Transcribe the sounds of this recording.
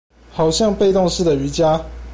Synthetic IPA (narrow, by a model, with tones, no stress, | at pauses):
xɑ˨˩ʊɕjɑ˥˧ŋpe˥˧ɪt̪o˥˧ŋʂɻ̩˥˩d̪ə˨y˧˥t͡ɕja˦˥